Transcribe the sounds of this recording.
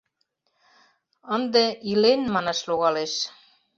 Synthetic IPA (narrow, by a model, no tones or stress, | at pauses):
ə̆nd̪eilenmɑnɑʃloɣɑleʃ